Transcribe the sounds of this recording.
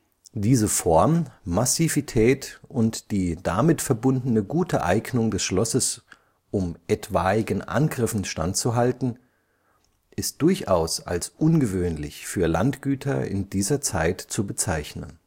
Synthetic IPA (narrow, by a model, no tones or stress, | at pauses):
d̥iːzəfɔɐmmasivitʰɛːtʔʊntd̥iːd̥amɪtfɛɐbʊndn̩əɡuːtʰəʔa̰ɪɡnʊŋdɛsʃlɔsəs | ʔʊmʔɛtv̥aːɪɡənʔa̰nɡʁɪfn̩ʃta̰ntt͡suɦaltn̩ | ʔɪst̚d̥ʊɐçʔaʊsa̰lsʔʊnɡəvøːnlɪ̰çfyːɐla̰ntɡ̥yːtʰɐ̰ɪ̰ndiːzɐt͡sa̰ɪtt͡subət͡saɪçnə̰n